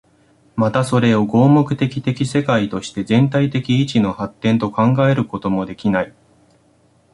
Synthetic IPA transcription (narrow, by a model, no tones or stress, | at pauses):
mat̪aso̞ɾe̞o̞ɡo̞ːmo̞kɯ̟̥t̪e̞kʲi̥t̪e̞kʲise̞kait̪o̞ɕi̥t̪e̞zẽ̞nt̪ait̪e̞kʲiːt͡ɕino̞hat̪ːẽ̞nt̪o̞kãŋɡae̞ɾɯ̟ko̞t̪o̞mo̞d̪e̞kʲinai